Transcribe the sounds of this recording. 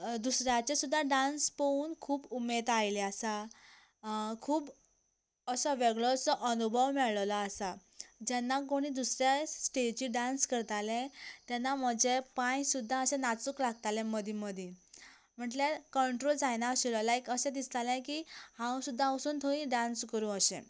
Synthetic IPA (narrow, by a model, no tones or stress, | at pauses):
d̪usɾjat͡ɕesud̪ʱːaɖãnspəuːnkʰuːbumed̪ajlɛasa | kʰuːb | əsɔʋeɡɭɔt͡sɔʔənubʱəʋmɛɭɭlaːsad͡ʑɛnːakoɽ̃id̪usɾjasʈed͡ʑiɖanskəɾt̪alɛ̃t̪janːam̤əd͡ʑepãjsud̪ʱːãəsẽnat͡suklaɡ̚t̪alɛ̃məd̪ʱiməd̪ʱĩ | m̤əɳʈlakəɳʈɾold͡zajnaəɕilɔlajkəsɛ̃d̪ist̪alɛ̃kihãwsud̪ʱːãəsuːnt̪ʰoĩɖãnskəɾũəɕḛ̃